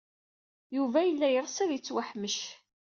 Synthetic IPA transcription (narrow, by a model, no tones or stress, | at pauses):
juvæjəlːæjəɾˤsæðjət͡sːwaħməʃ